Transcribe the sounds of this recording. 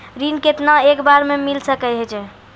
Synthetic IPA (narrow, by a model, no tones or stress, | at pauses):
ɾinket̪naekbaɾmemilsəkɛjɦɛt͡ʃʰɛ